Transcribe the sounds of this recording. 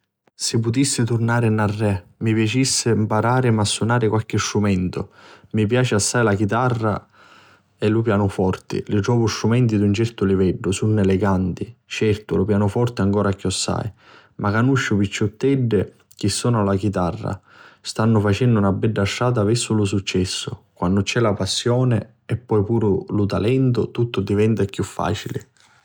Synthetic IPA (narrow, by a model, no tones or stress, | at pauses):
sɪpːʊt̪isːɪt̪urnaːɾɪnarːɛmipjat͡ʃisːɪmpaɾaːɾɪmasːunaːɾɪkwalk̟ɪstɾumɛnt̪ʊ̰mipjaːt͡ʃɪasːajlak̟it̪arːa̰ | ɛlʊp̬jaːnʊfɔrt̪ɪ̰lɪt̪ɾɔːvʊstɾumɛnt̪id̪unt͡ʃɛrt̪ʊlivɛɖːʊsunːeleɡant̪it͡ʃɛrt̪ʊlʊpjaːnʊfɔrt̪ɪaŋkɔːɾakjɔsːa̰j | makanːuʃːʊpit͡ʃːʊt̪ːɛɖːɪ | k̟isːɔːnalak̟it̪arːa̰ | st̪anːʊfat͡ʃɛndʊunabːɛɖːaʃːaːt̪̬avɛsːʊlʊs̬ut͡ʃːɛsːʊkwanːʊt͡ʃɛlapasːjɔːnɪ̰ | ɛpːɔjpuːɾʊlʊt̪a̰lɛnt̪ʊt̪ut̪ːʊd̪ivɛnt̪akjufːa̰ːt͡ʃilɪ̰